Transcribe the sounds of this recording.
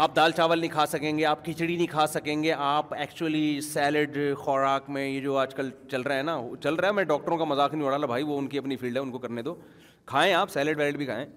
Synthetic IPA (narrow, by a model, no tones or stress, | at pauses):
aːp̚d̪aːlt͡ʃaːʋəlnɦĩkʰaːsɐkẽːŋɡeaːp̚kɪt͡ʃɽinĩkʰaːsɐkẽːŋɡeʔaːpɛːkt͡ʃuəlisɛːlɪɖxɔːɾaːkmẽjed͡ʒoːaːd͡ʒkəlt͡ʃɐlɾaaɦɛnaɦot͡ʃɐlɾaɦɛmɛ̃ɖɔːk̚ʈəɾõkamɐzaːknĩoːɽalabʱaːiʋoʊnkiɐpnifʰiːlɖɦɛʊnkokɐɾned̪oː | kʰaːẽaːpsɛːlɪɖʋɛːlɪɖbʱikʰa̰ːẽː